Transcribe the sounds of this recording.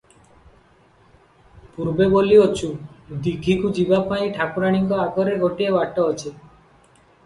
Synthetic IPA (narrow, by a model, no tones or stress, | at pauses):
puɾbeboliot͡ʃʰud̪iɡʱikud͡ʒibapaĩʈʰakuɾaɽ̃iŋɡɔaɡɔɾeɡʱoʈiebaʈɔːt͡ʃʰe